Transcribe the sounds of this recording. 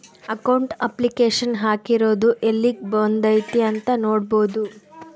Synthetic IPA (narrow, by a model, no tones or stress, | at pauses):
ɐkɐwɳʈɐplikeːʂɐnɦaːkiɾo̞ːd̪uʔelːik̚boːnd̪ɐjt̪iɐnt̪ɐnoːɽboːd̪u